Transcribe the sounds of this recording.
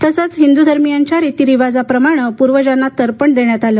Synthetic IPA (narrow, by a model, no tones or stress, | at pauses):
t̪əsət͡sɦind̪ud̪ʱəɾmijaɲt͡ɕjaɾet̪iɾiʋad͡zapɾəmaɽ̃əpuɾʋəd͡ʑanat̪əɾpəɳd̪eɳjat̪alə